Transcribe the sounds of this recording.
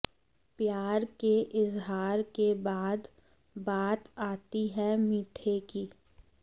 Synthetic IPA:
pjaːɾkeʔɪzɦaːɾkebaːd̪ | baːt̪aːt̪iɦɛmiːʈʰekiː

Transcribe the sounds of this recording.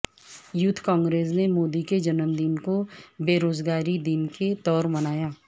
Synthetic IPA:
jʊt̪ʰːkãːŋɡɾeːs̬nemoːd̪iked͡ʒɐnəmd̪inkobeːɾoːzɡaːɾid̪ɪnket̪ɔːɾmɐnaːjaː

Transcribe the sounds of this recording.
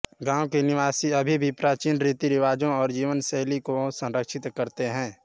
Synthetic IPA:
ɡãːwkenɪʋaːsiɐbʱibʱipɾaːt͡ʃiːnɾit̪iɾɪʋaːd͡ʒõɔːɾd͡ʒiːʋənsɛɦlikosə̃nɾəkʃɪt̪kəɾt̪eɦɛ̃ː

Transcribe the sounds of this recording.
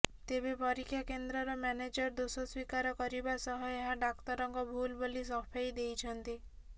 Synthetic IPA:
t̪ebepɔɾikʰːjakend̪ɾɔɾɔmaned͡ʒɔɾd̪osɔswikaɾɔkɔɾibasɔɦɔeɦaɖakt̪ɔɾɔŋkɔbʱulbolisɔpʰajd̪ejt͡ʃʰɔnt̪i

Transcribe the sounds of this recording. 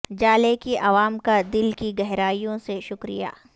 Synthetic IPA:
d͡ʒaːlekiʔɐʋaːmkad̪ɪlkiɡɐɦɾaːijõseʃʊkɾḭja̰ː

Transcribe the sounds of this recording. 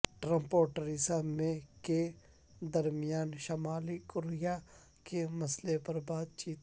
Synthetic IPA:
ʈɾə̃mpoːɾʈəɾisamẽke | d̪ɐɾmijaːnʃɐmaːlikʊɾɪja | kemɐslepɐɾbaːt̪̚t͡ʃiːt̪

